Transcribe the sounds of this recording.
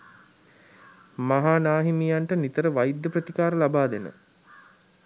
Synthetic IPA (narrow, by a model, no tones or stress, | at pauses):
maɦaːnaːɦimijaɳʈənit̪əɾəʋajid̪jəprət̪ikaːɾəlabaːd̪enə̰